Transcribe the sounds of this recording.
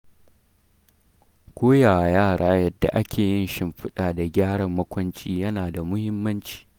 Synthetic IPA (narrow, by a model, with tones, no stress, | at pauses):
kʷoː˦jaː˨jaː˦˨ɽaː˦jɐ˦dːa̰˨ʔa˦kʲʰeː˨jɪ˦nʃɪ˦˨mɸɪ˦ɗaː˨da˨ɡʲaː˦ɽɐ˨mːɐ˦kʷɐ˦nt͡ʃʼiː˦jɐ˦naː˨da˨mʊ˦hɪ˦mːɐ˦nt͡ʃi̥ː˨